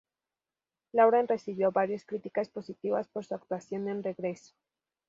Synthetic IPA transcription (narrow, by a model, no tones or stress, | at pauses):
lawɾanre̞siβjo̞βaɾjaskɾit̪ikaspo̞sit̪iβaspo̞ɾsuak̚t̪wasjo̞nenre̞ɣɾe̞so̥